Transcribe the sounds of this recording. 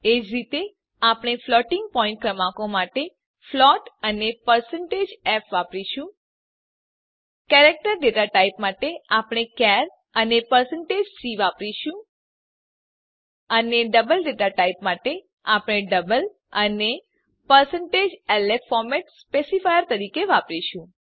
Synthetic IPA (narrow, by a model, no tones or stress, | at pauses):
ed͡ʒɾit̪e | apɽ̃eflɔʈiŋɡ̚pɔĩɳʈ̚kɾəmãkomaʈe | flɔʈənepəɾsəɳʈed͡ʒɛpʋapɾiʃũ | kɛɾek̚ʈəɾɖeʈaʈaipmaʈeapɽ̃ekɛɾ | ənepəɾsəɳʈed͡ʒsiʋapɾiʃũ | əneɖəbəlɖeʈaʈaipmaʈe | apɽ̃eɖəbəl | əne | pəɾsəɳʈed͡ʒɛlefɔɾmɛʈspesifajəɾt̪əɾikeʋapɾiʃũ